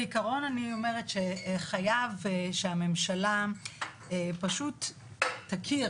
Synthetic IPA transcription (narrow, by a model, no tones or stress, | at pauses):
ikaʁo̞nanio̞me̞ʁetʃeχajavʃeame̞mʃala | epaʃutː | akʰi